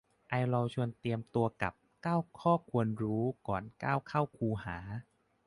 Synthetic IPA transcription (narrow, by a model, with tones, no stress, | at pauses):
ʔa˧jlɔ˧wt͡ɕʰu˧ənt̪i˧əmt̪u˧ɐka̰˨˩p̚kaː˥˩wkʰɔː˥˩kʰu˧ənɾuː˦˥kɔː˨˩nka̰ː˥˩wkʰa˥˩wkʰuː˧haː˩˦